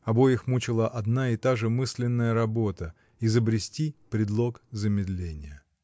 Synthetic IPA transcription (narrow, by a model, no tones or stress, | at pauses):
ɐbo̞jɪxmut͡ɕɪlˠəʔɐd̪naɪt̪aʐɨmɨsʲlʲɪnːəjəɾɐbot̪ə | ɪzəbɾʲɪsʲtʲipɾʲɪd̪lˠo̞kzəmʲɪd̪lʲenʲɪjə